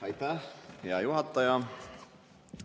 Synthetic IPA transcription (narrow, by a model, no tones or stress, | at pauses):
ɑjt̪ajɑjuɦɑt̪ːɑjɑ